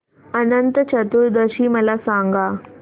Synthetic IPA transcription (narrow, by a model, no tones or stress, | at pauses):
ənənt̪ət͡ɕət̪uːɾd̪əɕiːməlasãŋɡa